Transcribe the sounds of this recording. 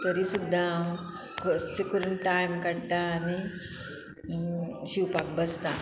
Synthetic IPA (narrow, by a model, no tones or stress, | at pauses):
t̪əɾisud̪ʱːa | kʰossekuɾəɳʈajmkəɽt̪aːni | ɕiwpak̚bəst̪a